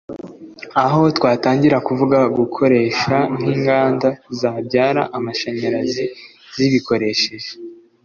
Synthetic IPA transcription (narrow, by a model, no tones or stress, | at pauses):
aɦo̞twaːtaːɲɟiɾakuvuɡaɡukʰo̞ɾe̞ːʃan̥hiːŋɡaːndazabɟaːɾa̰ʔamaʃeɲaɾazi | ziβikʰo̞ɾe̞ʃe̞ʒe